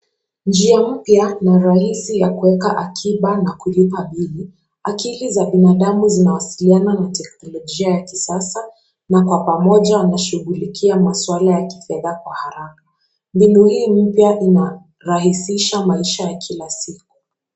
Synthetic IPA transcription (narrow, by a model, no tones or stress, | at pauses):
nd͡ʒiam̩pjanaɾahisijakuwɛkaʔakʰiɓanakulipaɓili | akilizaɓinaɗamuzinawasiliananatɛknɔlɔʄiajaki̥sasa | nakwapamɔʄanaʃuɣulikʰiamaswalajaki̥fɛðakwahaɾakḁ | mbinuhiːm̩pjaʔina | ɾahisiʃamaiʃajakʰilasiku̥